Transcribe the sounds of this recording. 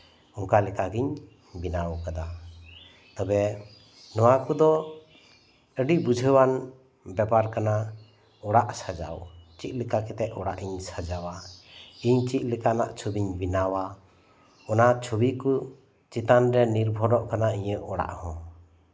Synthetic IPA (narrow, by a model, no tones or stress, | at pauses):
ɔŋkalɛkaɡiɲ | binawkad̪a | t̪ɔbɛ | nɔwakud̪ɔ | əɖiʔbud͡ʒʱəwan | bɛbaɾkana | ɔɽaʔsad͡ʒa̰wt͡ʃiʔ̪̚ˀlɛkakɛt̪ɛʔɔɽa̰ʔiɲsad͡ʒawaiɲt͡ʃiʔ̚ˀlɛkana̰ʔt͡ʃʰubiɲbinawa | ɔnat͡ʃʰubiku | t͡ʃit̪anɾɛniɾbʱɔɾɔʔkanaiɲəʔɔɽa̰ʔhɔ̃